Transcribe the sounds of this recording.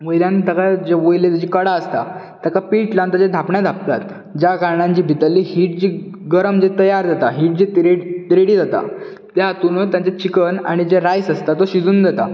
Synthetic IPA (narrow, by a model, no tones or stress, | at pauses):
mojlãnit̪əkad͡ʑeʋojlet̪ad͡ʑikəɽaəst̪a̰ | t̪akapiːʈlant̪əd͡ʑed̪ʱapɳjad̪ʱap̚t̪at̪ | d͡ʑaɡaɾɳãɲt͡ɕiːbʱit̪əlːihiːʈ̚d͡ʑiː | ɡəɾəmd͡ʑet̪əjaɾd͡zat̪aɦiːʈ̚d͡ʑiːt̪ɾet̪ɾeɽiːd͡zat̪a̰ | t̪jat̪unot̪jãt͡set͡ɕikəna̰ɽ̃id͡ʑeɾajsəst̪at̪oɕid͡zuːnd̪at̪a̰